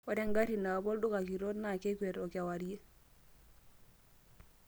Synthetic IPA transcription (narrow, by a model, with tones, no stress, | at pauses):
o˨de˦ŋɡa˦ɾi˨na˨bo˦ldu˦ka˨ki˨ɾo˦tna˨ke˦ke˨ɾo˨ka˨waɾi˦je˦